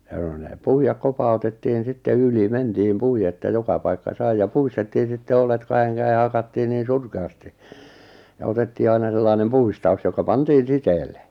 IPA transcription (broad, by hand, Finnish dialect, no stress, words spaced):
j̆ɑ̆ n̆ŏ ne puijɑk kopɑutetːiːn sitːe yli mentiːm puie ĕtːæ jokɑ pɑikːɑ sɑi jɑ puistetːiːn̞ sitːe olet kɑheŋ kæe hɑkɑtːiː niːn̞ surkeɑsti jɑ otetːiː ɑinɑ selːɑinem puistɑu̞s jokɑ pɑntiːn̞ siteːlːe